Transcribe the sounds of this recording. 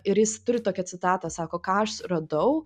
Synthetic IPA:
ɪɾjɪst̪ʊɾʲɪt̪oːkʲɛsʲɪt̪ɑːt̪ɑsɑːkoːkɑːɐʃrɐd̪ɐʊ

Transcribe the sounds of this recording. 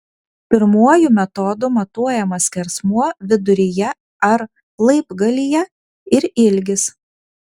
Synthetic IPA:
pʲɪɾmuɔjumʲɛt̪ɔd̪ʊmɐt̪uɔjɛmɐsʲkʲɛɾsmuɔʋʲɪd̪ʊɾʲɪjɛ | ɐɾ | lˠɐɪbɡɐlʲijɛ | ɪɾɪlʲɡʲɪs

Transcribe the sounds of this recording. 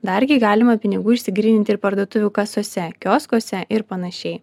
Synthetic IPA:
d̪ɐɾʲɡʲɪɡɑːlʲɪmɐpʲɪnʲɪɡuːɪʃʲsʲɪɡɾʲiːnʲɪnʲt̪ʲɪɾpɐɾd̪uɔt̪ʊʋʲuːkɐsoːsʲɛkʲoːskoɔsʲɛʔɪɾpɐnɐʃʲɛɪ

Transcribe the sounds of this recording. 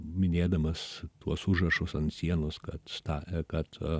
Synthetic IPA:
mʲɪnʲeːd̪ɐmɐst̪uɔsʊʒrɐʃʊsɐnt̪sʲiɛnʊskɐt̪st̪ɑːkɐt̪

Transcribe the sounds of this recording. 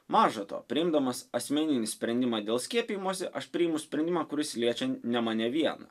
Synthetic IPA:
mɑːʒɐt̪o̰pʲɾʲɪɪmd̪ɐmɐsɐsʲmʲeːnʲɪnʲɪsʲpʲɾʲɛnʲd̪ʲɪmɑːd̪ʲeːlˠsʲkʲiɛpʲiːjɪmuɔsʲɪʔɐʃpʲɾʲɪjɪmʊsʲpʲɾʲɛnd̪ʲɪmɑːkʊɾʲɪsʲlʲiɛt͡ʃʲɛnʲɛmɑnʲɛʋʲiɛnɐ̰

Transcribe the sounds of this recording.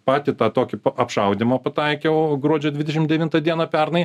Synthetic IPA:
pɑːt̪ʲɪt̪ɑːt̪oːkʲɪpɐɐpʃɐʊd̪ʲɪmɐpɐt̪ɐɪkʲɛʊɡɾuɔd͡ʒʲoːd̪ʲʋʲɪd̪ʲɛʃʲɪmd̪ʲɛʋʲɪnt̪ɐd̪ʲiɛnɐpʲɛɾnɐɪ

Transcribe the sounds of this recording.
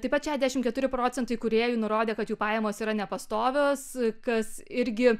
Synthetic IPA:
t̪ɐɪpɐt̪ʃʲæːʒʲd̪ʲæʃʲɪmkʲɛt̪ʊɾʲɪpɾoːt͡sʲɛnt̪ɐɪkʊɾʲeːjuːnʊɾoːd̪ʲeːkɐt̪juːpɑːjɛmoːsiːɾɐnʲɛpɐst̪oːʋʲoːskɐsɪɾʲɡʲɪ

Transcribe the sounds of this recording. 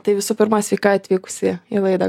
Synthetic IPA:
t̪ɐɪʋʲɪsuːpʲɪɾmɑsʲʋʲɛɪkɑːɐt̪ʲʋʲiːkʊ̥sʲɪɪlˠɐɪd̪ɐ

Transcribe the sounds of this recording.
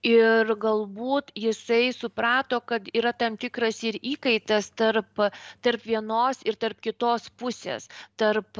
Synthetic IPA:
ɪɾɡɐlˠbuːt̪jɪsɐɪsʊpɾɑːt̪oːkɐt̪iːɾɐt̪ɐmt̪ʲɪkɾɐsɪɾiːkɐɪt̪ɐst̪ɐɾpt̪ɐɾpʋʲiɛnoːsɪɾt̪ɐɾpkʲɪt̪oːspʊsʲḛːst̪ɐrp

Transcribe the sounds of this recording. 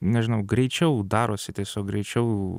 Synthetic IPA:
nʲɛʒʲɪnɐʊɡɾʲɛɪt͡ʃʲɛʊd̪ɑːɾoːsʲɪt̪ʲiɛsʲoːk̚ɡɾʲɛɪt͡ʃʲɛʊ

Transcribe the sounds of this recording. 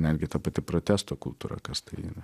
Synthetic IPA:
nʲɛd̪ʲɡʲɪt̪ɐpɐt̪ʲɪpɾoːt̪ʲæst̪oːkʊlˠt̪uːɾɐ̰kɐst̪ɐɪḭnɐ

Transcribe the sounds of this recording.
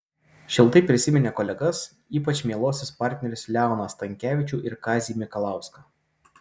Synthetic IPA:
ʃʲɪlˠt̪ɐɪpʲɾʲɪsʲɪmʲɛnʲeːkɔlʲɛɡɐs | iːpɐt͡ʃʲmʲeːlˠoːsʲɪspɑɾʲt̪ʲnʲɛɾʲɪslʲæˑʊnɐst̪ɐŋʲkʲæːʋʲɪt͡ʃʲuːʔɪɾkɑːzʲiːmʲɪkɔlˠɑˑʊskɑː

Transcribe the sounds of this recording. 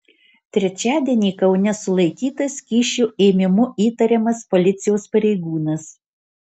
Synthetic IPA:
t̪ʲɾʲɛt͡ʃʲæːd̪ʲiɛnʲiːkɐʊnʲɛsʊlˠɐɪkʲiːt̪ɐskʲiːʃʲuːʔeːmʲɪmʊiːt̪ɐɾʲɛmɐspɔlʲɪt̪sʲɪjoːspɐɾʲɛɪɡuːnɐs

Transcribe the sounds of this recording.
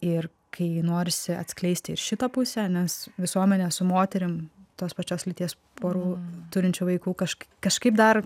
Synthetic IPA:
ɪr | kʰɐɪnoːɾʲɪsʲɪɐ̰t̪sʲklʲɛɪsʲt̪ʲɪɪʃʃʲɪt̪ɐpʊsʲænʲɛsʋʲɪsuɔmʲɛnʲɛsʊmoːt̪ʲɛɾʲɪmt̪oːspɐt͡ʃʲoːslʲɪt̪ʲiɛs | pʰoːɾuːt̪ʊɾʲɪnʲt͡ʃʲuːʋɐɪkuːkɐʃkkɐʃkɐɪp̚d̪ɐr

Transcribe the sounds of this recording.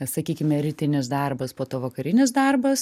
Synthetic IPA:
sɐkʲiːkʲɪmʲɛɾʲɪt̪ʲɪnʲɪsd̪ɐrbɐspoːt̪oːʋɐkɐɾʲɪnʲɪsd̪ɐrbɐs

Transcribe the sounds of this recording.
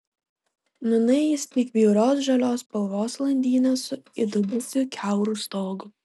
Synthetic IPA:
nʊnɐɪɪsʲt̪ʲiːkbʲiʊɾʲoːs̬ʒɐlʲoːspɐlˠʋoːslˠɐnʲd̪ʲiːnʲeːsʊɪd̪ʊbʊsʲʊkʲʰæˑʊɾuːst̪oːɡʊ

